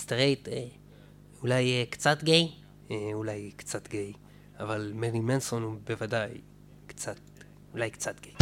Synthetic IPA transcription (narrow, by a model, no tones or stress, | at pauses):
st̪ʁejt̪e | ulajkt͡sat̪ɡej | eulajkt͡sat̪ɡej | avalmeʁimensonubevadaj | kt͡sat̪ | ulajkt͡sat̪ɡej